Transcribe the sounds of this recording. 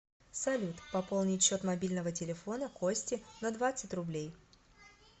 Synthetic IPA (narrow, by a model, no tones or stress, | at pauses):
sɐlʲut̪pɐpo̞lˠnʲɪɕːo̞t̪mɐbʲilʲnəvətʲɪlʲɪfo̞nəkosʲtʲɪnɐd̪vat̪sɨtʲrʊblʲej